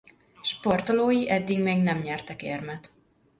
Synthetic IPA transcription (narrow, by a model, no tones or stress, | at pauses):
ʃpo̞rt̪oloːjiʔɛd̪ːiɡmeːɡnɛmɲɛrt̪ɛkeːrmɛt̪